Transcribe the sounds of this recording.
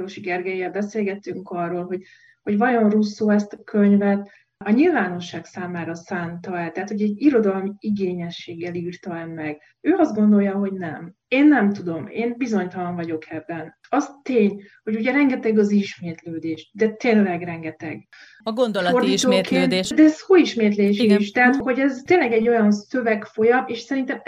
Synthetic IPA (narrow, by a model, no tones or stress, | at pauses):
ɾoʃiɡɛrɡɛjivɛlbɛseːlɡɛt̪ːyŋkɒrːoːlɦo̞ɟ | ho̞ɟvɒjo̞nrusːoːɛst̪ɒkʰøɲvɛt̪ | ɒɲilvaːno̞ʃːaːksaːmaːɾɒsaːnt̪ɒɛlt̪ɛɦat̪ho̞ɟɛɟiɾo̞d̪ɒlmiiɡeːɲɛʃːeːɡːɛliːrt̪ɒɛmːɛɡ | øːɒzd̪ɡo̞nd̪o̞ljɒɦo̞ɟnɛm | eːnːɛmt̪ud̪o̞mḛːnbizo̞ɲt̪ɒlɒɱvɒɟo̞kʰɛbːɛn | ɒst̪eːɲho̞ɟuɟɛɾɛŋɡɛt̪ɛɡɒziʃmeːt̪løːd̪eːʃd̪ɛt̪eːnlɛɡrɛŋɡɛt̪ɛ̰ɡ | ɡnd̪lo̞rd̪it̪oːkeːnːt̪ːd̪ɛzsoːiʃmeːt̪̬leːʃiiʃt̪ɛɦat̪ho̞ɟɛzt̪eːnlɛɡɛɟːo̞jɒnsøvɛkfo̞jɒmeːʃsɛɾint̪ɛm